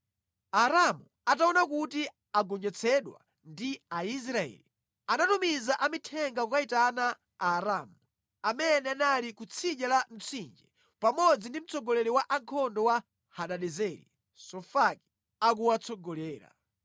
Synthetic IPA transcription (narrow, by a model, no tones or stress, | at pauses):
aɾamu | ataɔnakuti | aɡɔɲd͡ʒɛt͡sʰɛɗwa̰ | ndiais̬ɾaɛ̰li | anatumizaʔamitʰɛŋɡakkaitanaː | ɾaːmu | amɛnɛanalikut͡sʰiʄalan̩t͡sʰind͡ʒɛ | pamɔd͡zindim̩t͡sʰɔɡɔlɛɾɛwaʔaŋkʰɔndɔwa | haɗaɗɛzɛɾḭ | sɔfaki̥ | ak̬uwat͡sʰɔɡɔlɛːɾa̰